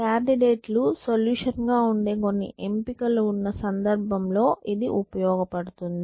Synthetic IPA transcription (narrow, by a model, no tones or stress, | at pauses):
kaːɳɖiɖeːʈlusoljuːʂɐnɡaːuɳɖeːko̞nːḭʔe̞mpikɐluunːɐsɐnd̪ɐɾbʱɐmlo̞ːʔid̪iʔupɐjɔːɡɐpɐɽut̪und̪i